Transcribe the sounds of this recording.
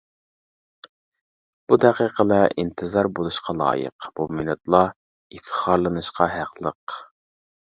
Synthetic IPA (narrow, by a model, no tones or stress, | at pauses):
b̥ud̪ɛqiːqʰəlˠɑʔint̪ʰɨzɑɾbolˠuʃqʰɑlˠɑ̰ːjə̰qb̥umɪnɛt̪lˠɑ | ift̪ʰə̥χɑɾlˠɨnɨʃqʰɑɦæqlˠəq